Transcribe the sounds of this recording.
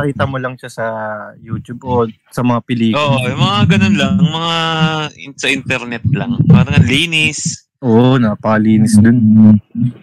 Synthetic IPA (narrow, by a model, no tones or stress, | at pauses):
ɐkiːt̪ɐmolɐŋʃasɐjuːt̪ʊbʔo | sɐmɐŋapɪliːkʔoːʔʔojʊmɐŋaɡɐnonlɐŋɐŋmɐŋa | sɐʔɪnt̪ɛɾnɛt̪̚laŋpaːɾɐŋɐliːnɪs | ʔoːʔnɐpɐkɐliːnɪsd̪on